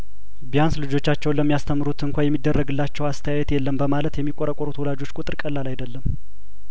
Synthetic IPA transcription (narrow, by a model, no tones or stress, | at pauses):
bijanslɨd͡ʒo̞t͡ʃːat͡ʃːɛwnləmːijast̪ʰəmːɨɾut̪ʰɨŋkʷʰajɛmːid̪ːərːəɡɨlːat͡ʃːɛwast̪ʰəjajɛt̪jɛlːəmbəmalət̪jɛmːikʼoɾəkʼɔɾut̪wɔlad͡ʒo̞t͡ʃːkʼut̪ʼɨɾkʼəlːalajd̪əlːəm